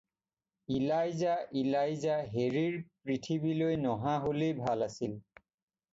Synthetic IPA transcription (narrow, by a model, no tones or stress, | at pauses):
ilajzaʔilajzaɦeɹiɹpɹitʰibilojnɔɦãɦolejbʱalasil